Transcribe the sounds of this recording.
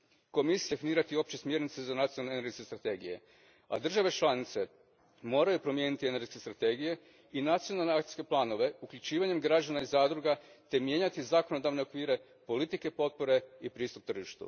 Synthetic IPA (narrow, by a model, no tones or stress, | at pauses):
ko̞misijfiniːɾat̪io̞p̚t͡ɕesmje̞ɾnit̪sezanat̪ijonalneneɾɡskest̪ɾat̪e̞ːɡije̞̰ | a̰d̪r̩ʒaʋe̞t͡ʃlˠanit̪se̞ | mo̞ːɾajupɾo̞mje̞ːnit̪ineɾɡeskest̪ɾat̪e̞ɡije̞ | inat̪sijo̞nalˠne̞akt̪i̥ske̞plˠaːno̞ʋe̞ukʎʲut͡ɕiːʋaɲe̞mɡɾad͡ʒanaizaːd̪ɾuɡat̪e̞mje̞ːɲat̪izako̞no̞d̪aʋne̞okʋiːɾe̞ | polit̪ike̞po̞t̪̚po̞ɾe̞ipɾiːst̪up̚t̪r̩ʒiʃt̪ṵ